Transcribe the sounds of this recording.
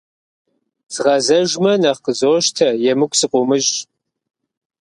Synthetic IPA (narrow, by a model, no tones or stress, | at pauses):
z̥ɨʁɐzɐʒmɐnɐχqəzoːʃtʰɐjɛmɨkʷʼsɨqʷʼʊmɨʒ